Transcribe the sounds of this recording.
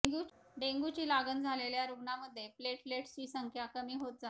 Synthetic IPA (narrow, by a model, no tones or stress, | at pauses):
ɡu | ɖeŋɡut͡ɕiːlaɡənd͡zʱaleljaɾuɡɳaməd̪ʱːjepleʈfleʈsiːsəŋkʰjakəmiːɦot̪̚d͡za